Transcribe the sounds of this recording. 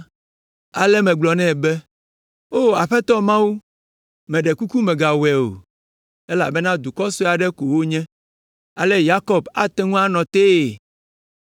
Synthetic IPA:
a˨lɛ˦mɛ̃˨ɡ͡blɔ˨nɛ̃˦˨bɛ˦ | o˦˨a˨ɸe˦t̪ɔ˦mã˦wu˦ | mɛ̃˨ɖe˨ku˦ku˦mɛ̃˨ɡa˨wɛ˨o̰˨ | e˦la̰˨bɛ˦nã˦d̪u˨kɔ˦so˦a˨ɖɛ˦ko˨wo˦ɲɛ̃˦ | a˨lɛ˦ja˦kɔ˦ba˦t̪ɛ˦ŋũ˦a˦nɔ̃˨t̪e˦e˨

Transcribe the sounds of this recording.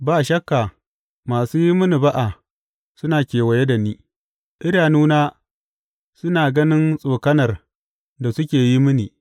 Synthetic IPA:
baː˨ʃɐ˦kːa˨ | maː˨suː˦ji˦mʊ˦ni˨ba˦ʔa˨ | sʊ˦naː˨kʲeː˨wɐ˨je˦da˨niː˦ | ʔɪ˦daː˨nuː˦naː˦ | sʊ˦naː˨ɡɐ˦nɪ˦nsʼoː˨kɐ˦nɐ˨r | da˨sʊ˦kʲeː˨ji˦mʊ˦niː˨

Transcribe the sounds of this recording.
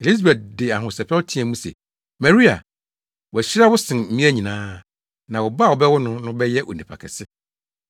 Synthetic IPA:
e˨li˦s̬bɛ˨t̚dɪ˨a˨ɦʊ̃˨sɛ˨pʰɛ˦ltʰĩ˦ɛ̃˨mũ˦sɛ̰˨ | mɛ̃˨ɾi˦a̰˨ | wʊ˨æ˨ɕɪ˦ɾa˦wʊ˦sɪ̃˨n̩˨˦ĩ˦æ˦ɲĩ˨nãː˦ | nã˨wɔ˨ba˦˨wɔ˨bɛ˦wʊ˦nʊ̃˦nʊ̃˦bɛ˦jɛ˦ʔo̰˨nĩ˨pʰa̰˨kʰɛ̰˨sɪ˦

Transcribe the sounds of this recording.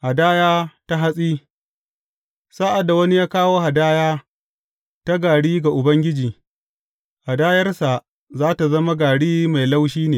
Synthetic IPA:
ha˨daː˦jaː˦ta˦ɦa˦sʼiː˦ | sa˦ʔa˨dːa˨wɐ˦ni˦jaː˦kaː˦woː˦ha˨daː˦jaː˦ | ta˦ɡaː˨ɽiː˦ɡa˨ʔʊ˨bɐ˦ŋɡʲɪ˦d͡ʒiː˨ | ha˨daː˦jɐ˦rsa˨ | zaː˦ta˨zɐ˦ma˦ɡaː˨ɽiː˦ma˨jla˦wʃiː˦neː˨

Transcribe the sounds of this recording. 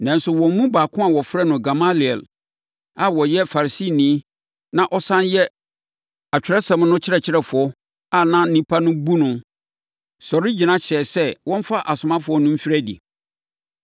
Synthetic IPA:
nã˨n˦sʊ˨wɔ̃˨m˦mũ˦baː˨kʰʊ̃˦a˨wɔ˨fɾɛ˦nʊ̃˨ɡa˨ma˦li˨ɛ̰˨l | a˨wɔ˨jɛ˦fa˨ɾa˨si˦˨nĩ˨˦ | nã˦ʔɔ˦sã˦njɛ˦ | a˨t͡ɕᶣɾɛ˦sã˨m˦nʊ̃˦t͡ɕʰɪ˦ɾɛ˨t͡ɕʰɪ˦ɾɛ˨fʊ˨ɔ˦ | a˨nã˦n̩˦nĩ˦pʰa˦nʊ̃˦bu˦nʊ̃˨ | sɔ˨ɾi˦d͡ʑi˨nã˦ɕʰɛ˨sɛ˦wɔ̃˦m̩˦fa˦ʔa˨sʊ̃˨mã˦fʊ˨˦ɔ˦nʊ̃˦m̩˦fi˦ɾɛ˦dḭ˨

